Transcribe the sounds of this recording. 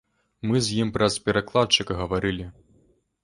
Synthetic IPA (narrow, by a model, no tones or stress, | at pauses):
mɨzʲjimpɾɐspʲɛɾaklˠat̪t͡ʂɨkɐɣɐvaɾɨlʲi